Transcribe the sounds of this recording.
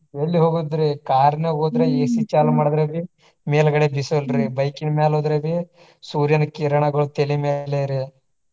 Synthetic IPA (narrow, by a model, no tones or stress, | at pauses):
ʋeɭːiɦoːɡud̪ɾikaːɾneɡoːd̪ɾeeːsit͡ʃaːlɐmaːɽd̪ɾɐʋi | meːlɡɐɽebisolɾibɐjkinmeːloːd̪ɾɐʋi | suːɾjɐnɐkiɾɐɳɐɡɐɭut̪elimeːleɾi